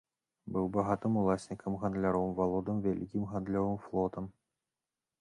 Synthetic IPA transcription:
bɨwbaɣat̪ɨmulˠasʲnʲikɐmɣand̪lʲaɾɔwmvalˠɔd̪ɨmvʲalʲikʲimɣand̪lʲɔvɨmflˠɔt̪ɐm

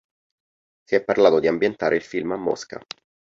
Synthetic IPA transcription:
siɛpːarlaːt̪od̪iambjent̪aːɾʔeilfilmamːɔ̰ska̰

